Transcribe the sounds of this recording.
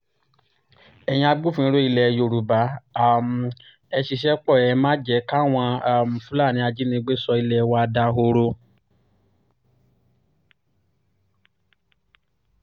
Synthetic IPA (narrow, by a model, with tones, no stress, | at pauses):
ɛ˨j̃ĩ˧˦a˧ɡ͡bu˦˨fũ˨˧˦ĩ˧˦ɾo˦i˧lɛ˧jo˨ɾu˨ba˨˦a˦˨m̩˨ | ɛ˧ʃi˧ʃɛ˦k͡pɔ˦˨ɛ˨˧˦mã˦d͡ʒɛ˨˦ka˦˨w̃ɔ̃˧a˨m̩˨fũ˦la˦˨nĩ˨˦a˧d͡ʒi˦nĩ˧ɡ͡be˦sɔ˧i˧lɛ˧wa˧da˧ɦo˧ɾo˧